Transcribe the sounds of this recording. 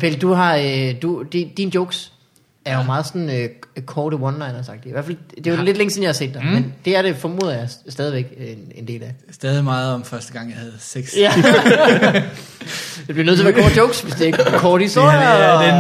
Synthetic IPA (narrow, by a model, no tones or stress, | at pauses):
pʰeld̥uɦɑ̈d̥ud̥id̥ind̥jɔʊɡ̥s | æɐjomɑ̈ːð̞̩ˠsɒ̽nøkʰɒːdəwɒ̽nlɑ̈ɪnɒsɑ̈ɡ̥̚d̥jiiæɐfæld̥e̝ɑled̥leŋəsenjɑ̈hɑ̈se̝̰ːd̥ːæmmend̥e̝æɐɾ̥e̝fɒ̽mo̝̰ːðˠɐjɑ̈sd̥ɛːðˠiʋeɡ̥ene̝nd̥e̝̰ːlæ | sd̥ɛːð̞ˠimɑ̈ːð̞̩ˠɒ̽mfɶɐsd̥əɡ̥ɑ̈ŋ̰jɑhæð̞̩ˠseɡ̥sjæ | ɑb̥liɐnøð̩ˠʰɐʋæɐkʰɒ̰ːd̥joʊɡ̥sʋe̝sd̥e̝ɡkʰɒːɾ̥isd̥o̝ɐ̰jɐ